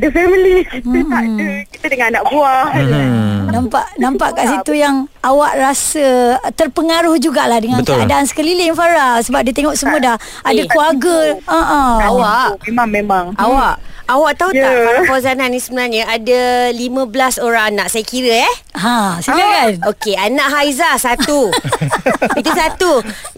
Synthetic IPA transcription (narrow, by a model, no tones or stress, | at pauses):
dəfəməldikitət̪aəkit̪ədəŋannaʔbuah | nampa̰ʔnãmpaʔkaʔsit̪ujaŋawaʔɾasət̪ərpəŋaɾʊhd͡ʒuɡaʔlahdəŋankəadaansə̥kəliliŋfaɾasəbap̚diət̪eŋɔʔsəmuədah | adakuaɡəəʔəawaʔmamemaŋʔawaʔawaʔt̪aut̪aaɾfozananisəbənarɲə̃ʔadalimə̃bəlasoɾaŋanãʔsajakiɾəɛhɦãsilakanokeanãʔɦajzasat̪u | it̪usat̪u